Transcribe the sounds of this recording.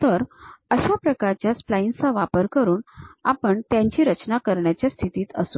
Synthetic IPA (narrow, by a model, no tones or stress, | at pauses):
t̪əɾəɕapɾəkaɾt͡ɕjasplainsaʋapəɾkəɾuːnapəɳt̪jãɲt͡ɕiːɾət͡ɕnakəɾɳjat͡ɕjast̪ʰit̪iːt̪ə̰su